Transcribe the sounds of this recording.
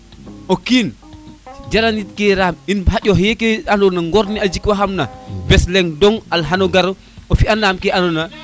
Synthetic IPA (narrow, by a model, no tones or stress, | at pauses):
okiːn | d͡ʒalanit̚keɾaːminɦaɟoɦjekeanonaŋɡɔɾniad͡ʒikwaɦamnabɛslɛŋdɔŋalɦanoɡaɾo | ofianaːmkeʔanona